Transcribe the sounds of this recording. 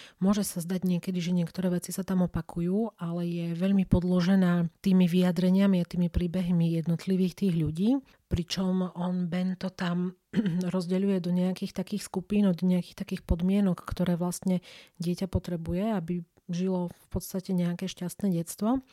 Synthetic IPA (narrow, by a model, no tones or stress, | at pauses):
mʊɔʒɛsazd̪aɟɲɪɛkɛd̪iʒɛɲɪɛkt̪ɔɾɛːʋɛt͡sisat̪amɔpakʰujuːalɛjɛʋɛʎmipɔd̪lɔʒɛnaːt̪iːmiʋiad̪ɾɛɲɪamiat̪iːmipɾiːbɛɦmijɛd̪nɔt̪liʋiːxt̪iːɣʎuɟiː | pɾit͡ʃɔmɔnbɛnt̪ɔt̪am | ɾɔzɟɛʎujɛd̪ɔɲɛakiːxt̪akiːxskupiːnɔd̪ɲɛakiːxt̪akiːxpɔd̪mɪɛnɔkːt̪ɔɾɛːʋlast̪ɲɛɟɪɛcapɔt̪ɾɛbujɛabi | ʒilɔfpɔt̪st̪acɛɲɛakɛːʃcast̪nɛːɟɛt̪t͡st̪ʋɔ